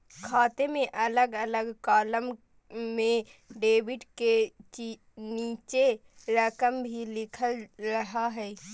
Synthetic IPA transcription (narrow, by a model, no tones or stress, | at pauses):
kʰaːt̪emẽʔələɡələɡkaːləm | mẽɖeːʋɪɖke | niːt͡ʃe | ɾəkəmbʱilɪkʰəlɾəɦaɦɛː